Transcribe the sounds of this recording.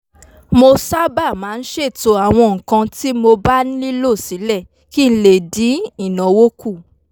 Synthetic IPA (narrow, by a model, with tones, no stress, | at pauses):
mo˧sa˦ba˦˨mãː˨˦n̩˦ʃe˦˨to˧a˨w̃ɔ̃˧ŋ̩˨kã˧ti˦mo˧ba˦ñ̩˦li˦lo˦˨si˨˦lɛ˦˨ | ki˦n̩˧le˨dĩ˨˦i˦˨nɔ̃˨˦wo˦ku˦˨